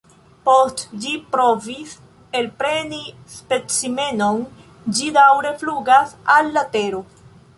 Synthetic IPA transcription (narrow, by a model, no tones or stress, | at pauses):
postd͡ʒipɾo̞vis | elpɾe̞ni | spe̞t͡sime̞no̞n | d͡ʒidawɾe̞fluɡasalːate̞ɾo